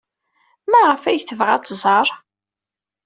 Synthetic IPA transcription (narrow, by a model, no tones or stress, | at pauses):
mæʁəfæjθəvʁæt͡sːzˤɑɾˤ